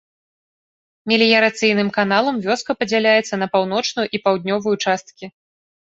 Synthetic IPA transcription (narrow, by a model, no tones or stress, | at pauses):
mʲilʲijɐɾat̪sɨjnɨmkanalˠɐmvʲɔskɐpɐd͡zʲɛlʲajɛt̪sːɐnɐpawnɔt͡ʂnujuʔipawd̪̚ʲnʲɔvɐjut͡ʂast̪̚kʲi